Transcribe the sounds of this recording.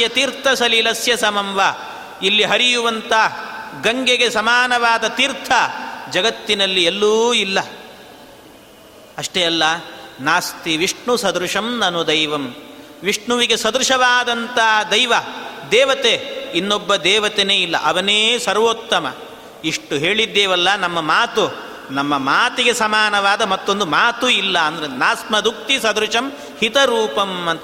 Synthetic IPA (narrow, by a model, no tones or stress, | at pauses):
jɐt̪iːɾt̪ʰɐsɐlilɐsjɐsɐmɐmʋa | ilːiɦɐɾijuʋɐnt̪ɐ | ɡɐŋɡeɡesɐmaːnɐʋaːd̪ɐt̪iːɾt̪ʰɐd͡ʒɐɡɐt̪ːinɐlːielːuːilːɐ | ɐʂʈeɐlːɐnaːst̪iʋiʂɳusɐd̪ɾuʂɐmnɐnud̪ɐjʋɐm | ʋiʂɳuʋiɡesɐd̪ɾuʂɐʋaːd̪ɐnt̪ɐd̪ɐjʋɐd̪ɛːʋɐt̪einːobːɐd̪ɛːʋɐt̪eneːilːɐʔɐʋɐneːsɐɾʋot̪ːɐmɐ̰ | iʂʈuɦeːɭid̪ːeːʋɐlːɐnɐmːɐmaːt̪u | nɐmːɐmaːt̪iɡe̞sɐmaːnɐʋaːd̪ɐmɐt̪ːo̞nd̪umaːt̪uilːɐɐnd̪ɐɾenaːsmɐd̪uk̚t̪isɐd̪ɾuʂɐm | hit̪ɐɾuːpɐmɐnt̪